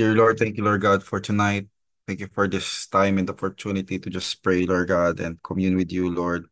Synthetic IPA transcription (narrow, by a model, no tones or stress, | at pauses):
diɹlɔɹd̪̚θɛ̃ŋkjulɔɹd̚ɡad̪fɔɹt̪ʊnaɪt̪̚ | θɛ̃ŋkjufɔɹd̪ɪst̪ãɪ̃mɛ̃nd̪ɔpɔɹt̪unɪt̪it̪ud͡ʒɐspɹejlɔɹd̚ɡad̪ɛ̰̃nd̪̚kʰɔmjunwɪd̪julɔɹd̪̚